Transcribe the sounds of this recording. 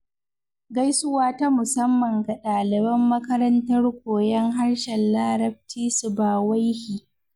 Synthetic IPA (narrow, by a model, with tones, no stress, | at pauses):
ɡa˦jsʊ˦waː˦ta˦mʊ˨sɐ˦mːɐ˨ŋɡa˨ɗaː˨lɪ˨bɐ˦mːɐ˦kɐ˦ɾɐ˦ntɐ˦rkʷoː˨jɐ˦ŋɦa˦ɽʃɛ˨nlaː˦ɾɐ˦b̚tiː˦sʊ˨baː˨wa˦jhiː˨